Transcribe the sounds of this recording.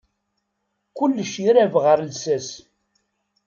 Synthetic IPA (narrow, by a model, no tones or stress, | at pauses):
kʊlːəʃiɾævʁəɾlsæs